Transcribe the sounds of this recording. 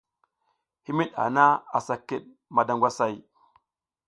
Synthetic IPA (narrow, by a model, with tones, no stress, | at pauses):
hi˦mi˦ɗa̰˨na˦a˨sa˨kːe˨ɗ̚ | ma˨da˨ŋɡʷa˦sa˨j